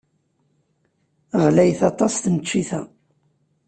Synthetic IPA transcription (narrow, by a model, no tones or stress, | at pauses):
ʁlæjθɑt̪ˤɑst̪nət͡ʃːiθæ